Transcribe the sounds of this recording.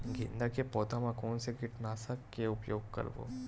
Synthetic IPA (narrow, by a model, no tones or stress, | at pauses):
ɡɪ̃nd̪akepɔːt̪ãmãkɔːnseɡɪʈnaːsakːeʊpjoːɡ̚kɐ̰ɾbo̰ː